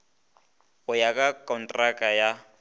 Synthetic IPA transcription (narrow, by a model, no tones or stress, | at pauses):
ʊjakʼakʼɔntʼrakʼaja